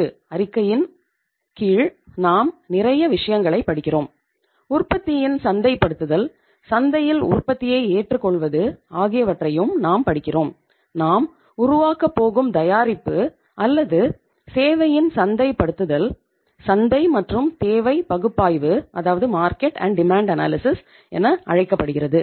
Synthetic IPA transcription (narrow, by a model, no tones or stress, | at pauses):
ɯ | ɐɾɪkːɐjɪn | kiːɻ | naːmnɪrɐjɐʋɪʂɐjɐŋɡɐɭɐɪpːɐɽɪkːɪroːm | ʊrpɐt̪ːɪjɪnsɐnd̪ɐɪpːɐɽɯt̪ːɯðɐl | sɐnd̪ɐjɪlʊ̰rpɐt̪ːɪjeɪeːʈrɯkːɔɭʋɐðɯaːɣɪjɐʋɐʈrɐjɯmnaːmpɐɽɪkːɪroːm | naːm | ʊɾʊʋaːkɐpːoːɣɯmt̪ɐjaːɾɪpːɯ | ʔɐlːɐðɯ | seːʋɐjɪnsɐnd̪ɐɪpɐɽɯt̪ːɯðɐl | sɐnd̪ɐɪmɐʈrɯmt̪eːʋɐɪpɐɣɯpːaːjʋɯʔɐðaːʋɐðɯmaːɾkɛʈɐ̰ɳɖɖɪmaːɳɖɐna̰ːlɪsɪs | ɛnːɐʔɐ̰ɻɐɪkːɐpːɐɽɯɣɪrɐðɯ